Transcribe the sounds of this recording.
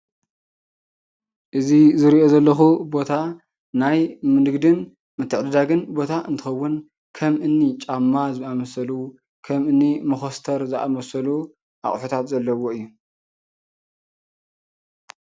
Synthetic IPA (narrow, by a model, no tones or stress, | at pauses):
ʔɨzizɨɾiʔo̞zɐlːɐxubo̞t̪ʰa | najmɨnɨɡd̪ɨn | mɨt̪ʰːɨʕd̪ɨd̪aɡɨnbo̞t̪ʰaʔɨnt̪ʰɨ̥xɐwːʊn | kʰɐmʔɨnːit͡ʃʼamːazɨamɐsɐlu | kʰɐmɨnːimɨxost̪ʰɐɾzɨʔa̰mɐsɐlu | ʔa̰χʼħut̪ʰat̪zɐlːɐwo̞ɨjːu